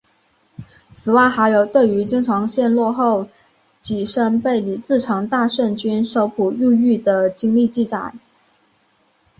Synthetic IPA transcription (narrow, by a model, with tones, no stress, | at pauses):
t͡sʰɹ̩˨˩wa˥˩ɪxa˧˥ɪjo˨˩ʊt̪we˥˩ɪy˧˥t͡ɕi˥ŋʈ͡ʂʰɑ˧˥ŋɕjɛ˥˧nlwɔ˥˧xo˥˩ʊ | t͡ɕi˨˩ʂə˥ŋpe˥˩ɪli˨˩t͡sɹ̩˥˩ʈ͡ʂʰɑ˧˥ŋt̪a˥˧ʂə˥˩nt͡ɕy˥nʂo˥ʊpʰu˨˩y˥˧y˥˩d̪ə˩t͡ɕi˥ŋli˥˧t͡ɕi˥˩t͡sa˨˩˦ɪ